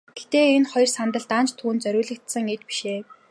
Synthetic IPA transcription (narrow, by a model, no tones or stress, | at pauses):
ɡ̥et̪eːenχɔj̆rsant̪ə̆ɮt̪ant͡ɕt̪ʰuːnt͡sœɾʲʊːɮɘ̆k̚t̪sə̆ŋet̪pi̥ʃeː